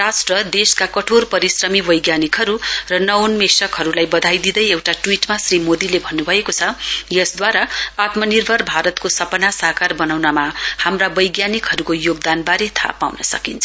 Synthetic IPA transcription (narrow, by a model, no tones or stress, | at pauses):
rasʈrʌd̪eskakʌʈʰorpʌɾisrʌmibʌjɡjanikɦʌɾurʌnʌwnmesʌkɦʌɾulajbʌd̪ʱajd̪id̪ʌjewʈaʈwiʈmasrimod̪ilebʱʌnːubʱʌekot͡sʰʌjʌsd̪waɾaat̪mʌnirbʱʌrbʱaɾʌt̪kosʌpʌnasaɦkarbʌnawnamahamrabʌjɡjanikɦʌɾukojoɡ̚d̪anbaɾet̪ʰa̰pa̰wnʌsʌ̰kint͡sʰʌ